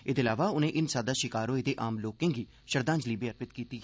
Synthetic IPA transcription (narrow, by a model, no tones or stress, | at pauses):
eːd̪eːlaːʋaːʊnẽːʔɪnsaːd̪aːʃɪkaːɾõːeːd̪eːʔaːmloːkẽŋɡiː | ʃəɾd̪ãːnd͡ʒliːbeəɾpɪt̪kiːt̪iː